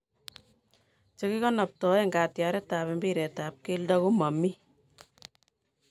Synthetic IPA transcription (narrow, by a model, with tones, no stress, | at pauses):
t͡ʃe˦ki˦kɔ˦na˨p̚tɔ˨˦e˦ŋɡa˨tja˨ɾɛ˦taː˨βembiɾɛ˨ta˨p̚ke˦lda˦ku˦ma˨mi˦